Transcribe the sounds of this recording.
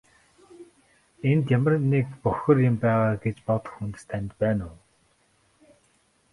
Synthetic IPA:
ent̪jamə̆rnːekpɔxʲɞ̆rjɪmpæːʁaːɡet͡ɕpɔt̪̆xunt̪ɘ̥̆st̪ʰænɪ̆t̪̚pæːnʊː

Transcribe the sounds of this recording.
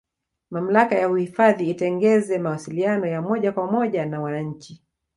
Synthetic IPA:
mam̩lakajauhifaðiːtɛŋɡɛzɛmawasilianɔjamɔʄakwamɔʄanawanaɲ̩t͡ʃi

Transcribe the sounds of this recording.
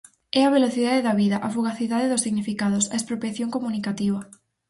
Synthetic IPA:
ɛɐβ̞eloθiðaðeðɐβiðɐʔafuɣaθiðaðeðʊsiɣnifikaðʊsɐespɾopɾjaθjoŋkomunikat̪iβɐ

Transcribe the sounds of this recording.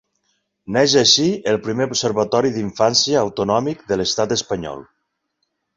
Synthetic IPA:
nɛʒaʃiəlˠpɾimeupseɾβət̪ɔɾiðiɱfansjəːwt̪unɔmikðələst̪at̪əspəɲɔ̰lˠ

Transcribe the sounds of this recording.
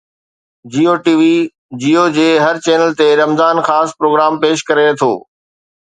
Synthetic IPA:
d͡ʑiːoːʈiːʋi | d͡ʑiːoːd͡ʑeːɦɐɾt͡ɕɛːnəlt̪eɾɐmzaːnxaːspɾoːɡɾaːmpeːʃkɐɾet̪ʰo̰ː

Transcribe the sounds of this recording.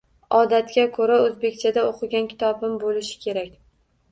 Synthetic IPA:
ɒd̪at̪kʲakʰoɾaɵzbe̞kʲt͡ʃʰad̪aoqʰɨɡʲankʲʰɪ̥t̪ʰɒbɪmbolɪʃɪ̥kʲʰe̞ɾakʲ

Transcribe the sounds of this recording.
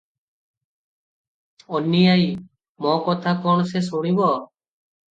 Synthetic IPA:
ɔnijaj | mɔ̃kɔt̪ʰakɔɳ̃ɔsesuɽ̃ibɔ

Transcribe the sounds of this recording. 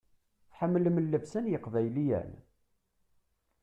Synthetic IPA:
θħəmːləmlːævsænjəqvæjlijæ̰n

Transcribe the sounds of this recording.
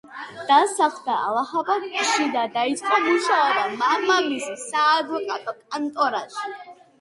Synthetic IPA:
d̪̥asaχʰd̪aa̰laχabaɡʃid̪ad̪ait̪ʼkʼamuʃaɔbamamamissaːd̪vɔkʼat̪ʼɔkʼant̪ʼɔɾaʃ

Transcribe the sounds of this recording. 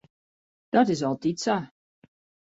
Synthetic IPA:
d̥ɔtɪsɔlˠtitsa

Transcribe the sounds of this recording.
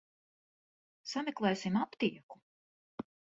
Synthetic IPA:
samɛklˠɛjsimapt̪iɛku̥

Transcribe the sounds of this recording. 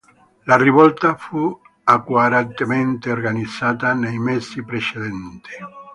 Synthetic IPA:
lariβɔlt̪afu | akwaɾant̪ement̪eorɡanid̪z̥aːt̪anejmɛsipɾet͡ʃeðɛnt̪i̥

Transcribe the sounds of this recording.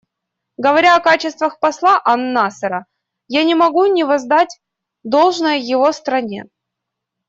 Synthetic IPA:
ɡəvɐɾʲaɐkat͡ɕɪst̪vəxpɐslˠaʔɐnːasəɾə | janʲɪmɐɡunʲɪvɐzd̪atʲ | d̪o̞lˠʐnəjəjɪvo̞st̪ɾɐnʲḛ

